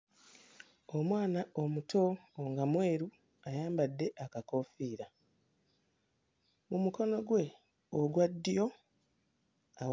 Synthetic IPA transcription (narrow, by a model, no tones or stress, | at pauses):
omwaːnao̞mutʰo̞ːŋɡamwe̞ːɾu | ajaːmbadːe̞ʔakako̞fiːɾa | mumuko̞no̞ɡwe̞ | oɡwadːijo̞ | a